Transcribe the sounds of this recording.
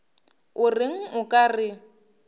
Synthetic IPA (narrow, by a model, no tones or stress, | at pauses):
ʊrɪŋ̩ʊkʼarɪ